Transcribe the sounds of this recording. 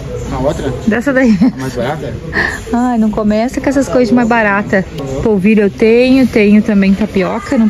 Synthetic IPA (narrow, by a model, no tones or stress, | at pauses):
ɐot̪ɾɐd̪ɛsɐd̪ɐimajbaɾat̪ɐ | ajnɐ̃w̃kõmɛsɐkɛs̬ɐskojzɐd͡ʒɪmajzbaɾat̪ɐpoviɾewt̪ẽɲʊt̪ẽɲʊt̪ɐ̃mbẽj̃t̪ɐpiɔkɐnɐ̃